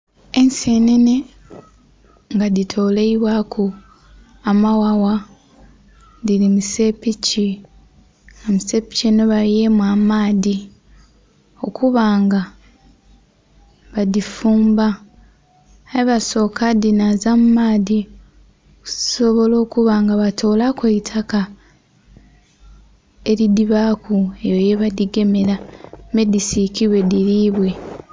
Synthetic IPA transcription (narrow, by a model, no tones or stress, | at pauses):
e̞nsenene̞ | ŋɡaditʰo̞ːleiβwakʰu | amawawa | dilimuse̞pici | omuse̞pi̥cenoβalijemwamaːði | o̞kʰuβaːŋɡa | βadifuːmba | iβaso̞ːkadinazammaːdi | kuso̞βo̞lo̞ːkuβaːŋɡaβatʰo̞ːlakweitʰaka | e̞ɾidiβakue̞joje̞βadiɡe̞me̞ɾame̞disikiβwe̞diɾiβwe̞